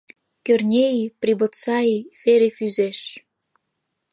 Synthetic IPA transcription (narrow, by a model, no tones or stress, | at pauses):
kørnʲejipribŏt̪t͡sɑifeɾefyzeʃ